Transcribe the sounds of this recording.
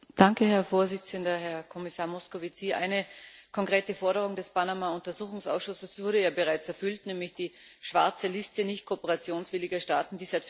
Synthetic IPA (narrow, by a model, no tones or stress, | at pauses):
d̥aŋkəhɛɐfoːɐzɪt͡səndɐhɛɐkʰɔmɪsaːɐmɔskovit͡siʔa̰ɪnəkʰɔŋkʁ̥eːtəfɔɐɾəʁ̞ʊŋdɛspʰanamaʊntɐzuːxʊŋsʔa̰ʊsʃʊsəsv̥ʊɐɾəjaːbəʁaɪt͡sɛɐfʏltnɛːmlɪçd̥iː | ʃv̥aɐt͡səlɪstənɪçt̚kʰoːpəʁat͡sjoːnsv̥ɪlɪɡɐʃta̰ːtn̩diːzaɪt